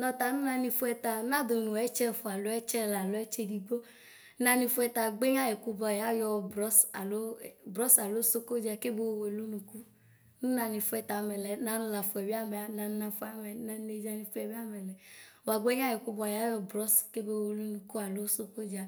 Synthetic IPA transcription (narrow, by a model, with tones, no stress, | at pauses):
nɔ˧t̪a˨nũ˦nã˧ni˧fu˦ɛ˧ta˧nã˦do˨nũ˨ɛ˨˦t͡ʃɛ˦˨fu˨a˨lo˨˦ɛ˦t͡ʃɛ˦la˨lo˦ɛ˦t͡ʃe˧di˧ɡ͡bo˦ | nã˧ni˧fu˦ɛ˧ta˧ɡ͡be˦ɲã˦jɛ˨ku˧bɔ˧˨ja˨˦jɔ˧bɾɔ˦so˦˨bɾɔ˦sa˨lo˨˦so˦ko˦d͡ʒa˧ke˦be˦wo˨we˨lu˦nũ˨ku˦ | nũ˦nã˧ni˧fu˦ɛ˧ta˨mɛ˨lɛ˨˦na˧˦nũ˧la˨fu˨ɛ˨bi˦a˦mɛ˨a˨nã˧˦nã˧fu˦a˨mɛ˨na˧ne˧d͡ʒa˧ni˧fu˦ɛ˨bi˦a˦mɛ˨lɛ˨wa˨ɡ͡be˦ɲã˦jɛ˨ku˧bɔ˧˨ja˨˦jɔ˧bɾɔ˦ske˦be˧˦˨e˨lo˦nũ˨ku˦a˨lo˦so˦ko˦d͡ʒa˧